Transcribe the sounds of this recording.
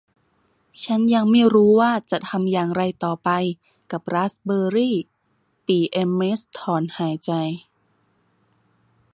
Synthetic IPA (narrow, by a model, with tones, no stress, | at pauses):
t͡ɕʰa˦˥nja˧ŋmiː˧˥˩ɾuː˦˥waː˥˩t͡ɕa˨˩t̪ʰa˧mjaː˨˩ŋɾa˧jt̪ɔː˨˩pa˧j | ka˨˩p̚ɾaː˦˥sbɤː˧ɾiː˥˩ | piː˧˩ʔe˧mʔe˦˥st̪ʰɔː˨˩˦nhaː˩˦jt͡ɕa˧j